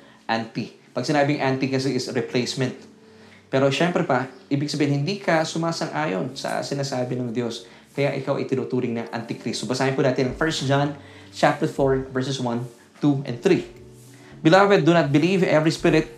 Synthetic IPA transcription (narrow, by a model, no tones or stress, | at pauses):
ʔant̪ipɐɡ̚sɪnaːbɪŋʔant̪ikɐs̬ɛɪsɹɪplejsmɛ̃nt̪̚ | pɛːɾo̞ʃɛmpɾɛpɐʔiːbɪɡ̚sɐbeːhɪnhɪnd̪ikʰɐsʊmaːsɐŋʔaːjonsɐ̰sɪnaːsaːbɪnɐŋd̪jo̞s | kɐjaʔɪkawʔɐ̰jt̪ɪnut̪uːɾɪŋnɐʔa̰nt̪ɪkɾist̪obɐsaːhɪnpuːnaːt̪ɪnɐŋfɛɹsd͡ʒãn | t͡ʃap̚t̪ɛfoɹvɛɹsɛswɐn | t̪uʔɛ̰nd̪θɾi | bɪlavɛd̪̚ːunɐt̪̚bɪlivɛvɹispɪɾɪt̪̚